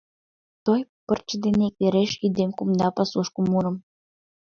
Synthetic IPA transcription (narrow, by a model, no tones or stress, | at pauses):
t̪ojpə̆rt͡ɕəd̪enekeɾeʃid̪emkumd̪ɑpɑsuʃkumːuɾə̆m